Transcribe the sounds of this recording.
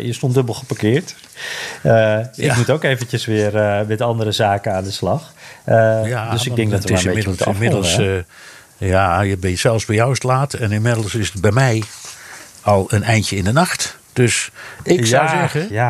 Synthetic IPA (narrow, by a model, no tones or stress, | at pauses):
jəstondøbəl̩ˠχəpakɪːəɹt | əɪkmutowkeːvənt͡ʃəsʋɪərmɛtɑndəɾəzaːkənaːndəslɑx | jadəsɪɡ̚dɛŋɡdɔtətɪaemɪdl̩ɪmɪdəl̩ˠs | jajəbɛjəsɛlˠfsbɛjawstlaːtɛnɪnmɪdl̩ˠsɪsəd̚bɛjmɛj | ɔlˠənɛjntjəɪndənaxt | d̥øsɪkswzɛɣəa